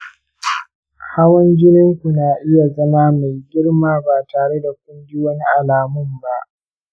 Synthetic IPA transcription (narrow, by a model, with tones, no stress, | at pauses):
kʰːaː˦wɐ˦nɡʲɪ˦nɪ˦ŋkʷu˨naː˨ʔɪ˦ja˨zɐ˦maː˦ma˨jɡʲɪ˦ɽmaː˦baː˨taː˨ɽe˦da˨kʷʊ˦nɡʲɪ˦wɐ˦ni˦ʔa˨laː˨mʊ˦mba˦ʔ